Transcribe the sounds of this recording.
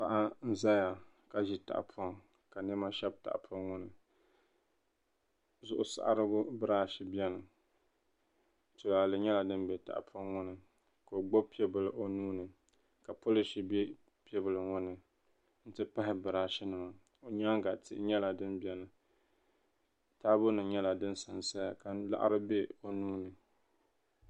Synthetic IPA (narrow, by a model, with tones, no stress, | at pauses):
pa˨ʔa˦n̩˦za˦ja˨ | ka˦ʒi˦ta̰˨ʔpʰɔ˦ŋ | ka˨nɨ˦ma˦ʃɛ˦b̚ta̰˨ʔpʰɔ˦ŋʊ˦nɨ˨ | zʊ˨ʔʊ˨sa̰˨ʔa˨ɾɨ˦ɡʊ˦bɨ˦ɾaː˦ʃi˨bi˦ɛ˦nɨ˨ | tʊ˨laː˨lɨ˨ɲɛ˦la˨dɨ˦nbɛ˨ta̰˨ʔpʰɔ˦ŋŋʊ˦nɨ˨ | ka˨o˨ɡ͡bo˦pi˦ɛ˦bɨ˨lɨ˨ʔo˦nuː˦nɨ˨ | ka˨po˦lɪ˨ʃi˨bɛ˦ | pi˦ɛ˦bɨ˨lɨ˨ŋʊ˦nɨ˨ | n̩˦tɨ˦pa˦ɦɪ˦bɨ˨ɾaː˦ʃɪ˦nɨ˨ma˨ | o˨ɲa˦ŋɡa˨tɪ̰˦ʔɲɛ˦la˨dɨ˦nbɛ˦nɨ˨ | taː˦bʊ˦nɨ˨ɲɛ˦la˨dɨ˦n˦sa˨nsa˦ja˨ka˨la̰˦ʔa̰˦ɾɨ˦be˦o˨nuː˦nɨ˨